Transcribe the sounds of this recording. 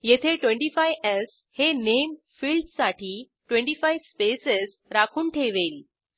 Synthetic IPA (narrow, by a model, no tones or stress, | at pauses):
jet̪ʰeʈwẽɳʈiːfajɛs | henem | fiːlɖsaʈiː | ʈʋẽɳʈiːfajʋspeses | ɾakʰuːnʈʰeʋel